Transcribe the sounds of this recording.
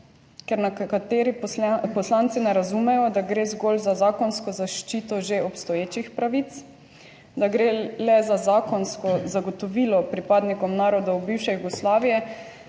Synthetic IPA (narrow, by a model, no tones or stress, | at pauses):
kɛɾnakat̪eːɾipɔslant̪sinɛɾazumɛjɔd̪aɡɾeːzɡolzazaːkɔnskɔzaʃt͡ʃiːt̪ɔʒeɔpst̪ɔjeːt͡ʃixpɾaʋit̪s | d̪aɡɾelɛzazaːkɔnskɔzaɡɔt̪ɔʋiːlɔpɾipaːd̪nikɔmnaːɾɔd̪awbiwʃɛjuɡɔslaːʋijɛ